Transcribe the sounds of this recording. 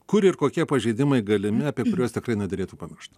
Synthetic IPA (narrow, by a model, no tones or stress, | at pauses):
kʊɾɪɾkoːkʲiɛpɐʒʲɛɪd̪ʲɪmɐɪɡɐlʲɪmʲɪɐːpʲiɛkʊɾʲoːst̪ʲɪkrɐɪnʲɛd̪ɐɾʲeːt̪uːpɐmʲɪrʃt̪